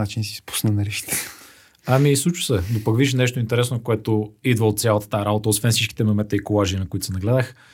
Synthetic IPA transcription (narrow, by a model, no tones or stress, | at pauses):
at͡ʃinsi̥spu̥snənɐɾiʃi̥t̪ʰɛ̥ | ɐmislˠut͡ʃʊ̥sɛd̪opəkviʃnɛʃt̪oint̪ɛɾɛsnokoɛt̪oid̪vəot̪t̪sʲjalˠət̪ə̥t̪aɾabot̪əosvɛnsit͡ʃkʲi̥t̪ɛmɐmɛt̪əikolˠaʒinɐkoit̪sɛnɐɡlɛd̪əx